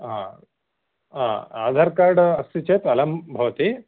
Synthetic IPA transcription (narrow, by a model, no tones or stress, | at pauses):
ɦa̰ | ɦãa̰ːd̪ʱaːɾkaːɾɖɐst̪it͡ʃeːt̪ɐlɐmbʱɐʋɐt̪i